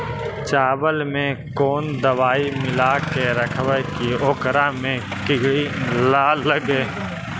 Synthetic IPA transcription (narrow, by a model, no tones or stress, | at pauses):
t͡ʃaːbəlmẽkoːnd̪əwaːimɪlaːkeɾəkʰwəkioːkɾamẽkɪɡɽilaːləɡeː